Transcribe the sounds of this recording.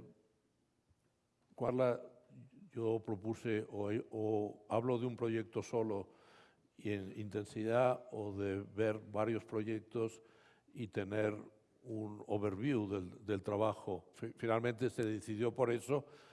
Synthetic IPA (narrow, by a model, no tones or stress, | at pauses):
kwaɾla | ʝopɾo̞puseʔoeoaβloðeumpɾo̞ʝek̚t̪o̞so̞lo | enint̪e̞nsiðaoðeβeɾβaɾjo̞spɾo̞ʝek̚t̪os | it̪e̞neɾ | unoβeɾβjuðeld̪e̞lt̪ɾaβaxoffinalmẽnt̪ese̞ðeθiðjo̞po̞ɾe̞so